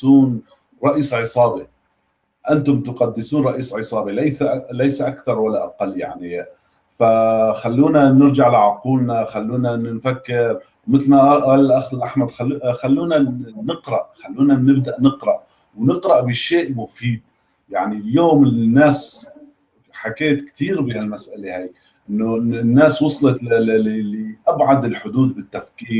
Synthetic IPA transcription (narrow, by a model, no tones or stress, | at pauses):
uːn | ɾˤɑʔiːsʕɨsˤɑːbi | ʔant̪ʊmt̪ʊqɑd̪ːɪsuːnɾˤɑʔiːsʕɨsˤɑːbilajslajsaʔakθɑɾˤwalːaʔaqalːja̰ʕni | faxalːuːnanɪɾd͡ʒaʕalaʕʊquːlnaxalːuːnanfakːɪɾ | wmɪt̪lnaʔʔallʔaxɪlʔaħmad̪xaxalːuːnanɪqɾˤɑʔxalːuːnanɪbd̪aʔnɨqɾɑʔ | wnɪqɾɑʔbɪʃeːʔmʊfiːd̪̚ | jaʕniljoːmɪnːaːs | ħakeːt̪kt̪iːɾbɪhalmasʔalehaːk | ʔɪnːonːaːswɑsˤlɑlːiʔabʕad̪ɪlħʊd̪uːd̪̚bɪt̪ːafkiːɾ